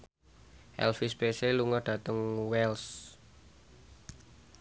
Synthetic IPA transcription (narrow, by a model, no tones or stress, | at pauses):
ʔɛ̰lfispeseluŋɔɖ̥ä̤t̪əŋwɛls